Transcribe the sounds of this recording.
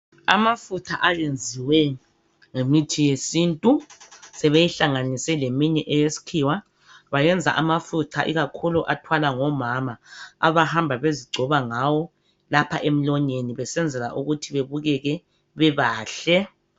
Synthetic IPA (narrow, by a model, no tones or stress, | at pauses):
a̰mafutʰaʔajend͡zʱiwɛ | ŋemitʰijesiːntʼusɛβejiɬaŋanisɛlemiɲɛʔɛjesi̥kʰiwa | βajɛnd͡zʱa̰ʔamafutʰa̰ʔiɣakʰuluʔatʰwalaŋɔmamaa̰βahambʱaβeziɡ͡ǀʱɔβaŋawɔ | lapʰaʔem̩lɔɲeniβɛsɛnd͡zʱɛla̰ʔuɣutʰiβeβuɣɛɣɛ | βɛβaːɬɛ